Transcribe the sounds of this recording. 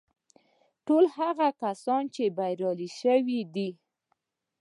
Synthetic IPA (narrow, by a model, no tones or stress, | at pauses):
ʈolhaɣakasɑnt͡ʃebajɾɑliʃəwid̪i